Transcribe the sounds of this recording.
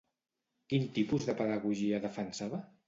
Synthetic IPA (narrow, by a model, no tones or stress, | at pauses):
kint̪ipuzðəpəðəɣuʒiəðəfənsaβə